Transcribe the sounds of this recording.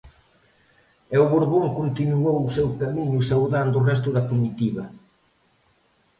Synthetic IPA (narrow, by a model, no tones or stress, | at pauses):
ɛwβoɾβoŋkont̪inuowsɛwkamiɲʊsawðand̪ʊrɛst̪ʊðɐkumit̪iβɐ